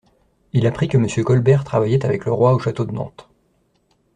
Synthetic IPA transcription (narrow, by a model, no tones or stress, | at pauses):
ilapχikəməsjøkɔlbɛʁt̪χavajɛt̪avɛkləʁwaoʃat̪od̪ənɑ̰̃t̪